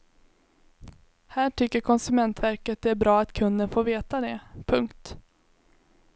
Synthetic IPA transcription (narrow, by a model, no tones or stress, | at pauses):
hæːʈʰʏkːəɾkʰɔnsɵmɛnt̪væɾkət̪̚d̪ɛæɾbɾɑːat̪kʰɵnd̪ənfoːɾveːt̪ad̪ɛpʰɵŋkt̪